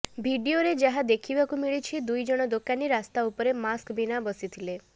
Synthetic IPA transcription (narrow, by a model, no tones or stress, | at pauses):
bʱiɖioɾed͡ʒaɦad̪ekʰibakumiɭit͡ʃʰid̪ujd͡ʒɔɽ̃ɔd̪okaniɾast̪aupɔɾemaskbinabɔsit̪ʰile